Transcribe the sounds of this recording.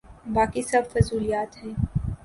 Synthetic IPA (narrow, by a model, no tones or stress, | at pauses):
baːkisɐbfɐzuːlijaːt̪ɦɛ̃ː